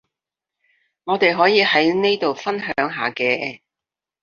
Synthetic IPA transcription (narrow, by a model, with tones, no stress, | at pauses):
ŋɔː˨˧t̪e˨jɦɔː˨˥jiː˨˧hɐ˨˥jne˥jt̪o˨wfɐ˥nɦœː˨˥ŋɦaː˨kɛː˧